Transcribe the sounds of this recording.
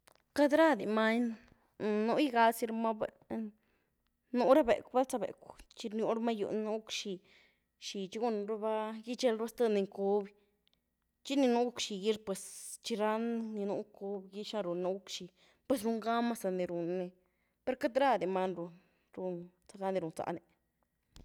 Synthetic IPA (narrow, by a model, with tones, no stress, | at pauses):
ka˦d̪ɾa˦˧d̪i˨ma˦ɲn˨ | nu˧˦i˦ɡa˧lsi˧ɾma˦be˧ | nu˧˦ɾa˦bḛ˨kba˦t͡sa˧bḛ˨kʷt͡ʃi˧nju˧˦ɾma˦jṵ˧nu˧˦kʃi˧ | ʃi˧t͡ʃi˦ɡu˦n˧ɾa˦ba˦ji˦t͡ʃe˧lɾa˦st̪a˦˧ni˧ŋku˧b | t͡ʃi˦ni˧nu˦u˦kʃi˧ji˦ɾpwe˨˧st͡ʃi˧ɾa˦nːi˧nu˧˦ŋku˧bɡi˦ʃa˧ɾu˨na˧˦u˦kʃi˧˨ | pwe˧s̬ɾu˧ŋɡa˦ma˦sa˧ne˧ɾu˨nːe˧ | pe˦ɾka˦d̪ɾa˦d̪e˨ma˧nɾu˧ | ɾu˧n | t͡sa˧ɡa˧˦nd̪i˧ɾu˨nt͡sa̰˧˨ne˧˨